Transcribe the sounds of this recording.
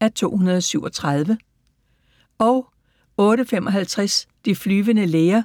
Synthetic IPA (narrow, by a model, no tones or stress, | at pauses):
æt͡sʰo̝̰ːhunɐðˠɒ̽syʊɒ̽t͡sʰʁɑð̞ˠʋə | ɒ̽ʊ | ɔ̽ːɾəfemʔɒ̽ɦælt͡sʰʁasd̥iflyːʋənəleːɐ